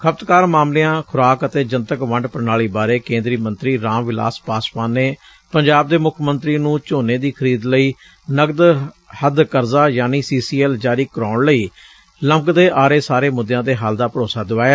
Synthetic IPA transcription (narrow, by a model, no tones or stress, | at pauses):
kʰəp̚t̪kaːɾmaːmleːãːkʰʊɾaːkət̪eːd͡ʒənt̪əkʋə̃ɳɖpəɾnaːɭiːbaːɾeːkẽːnd̪ɾiːmənt̪ɾiːɾãːmʋɪla̰ːspaːspaːnːeː | pəɲd͡ʒaːb̚d̪eːmʊkʰmənt̪ɾiːnũːt͡ʃoːneːd̪iːkʰəɾiːd̪ləiː | nəɡd̪ | həd̪kəɾzaːjaːniːsiːsiːɛːld͡ʒaːɾiːkəɾaːɳləiː | ləmɡd̪eːʔaːɾeːsaːɾeːmʊd̪jãːd̪eːɦaːld̪aːpəɾoːsaːd̪ʊʋaːjaː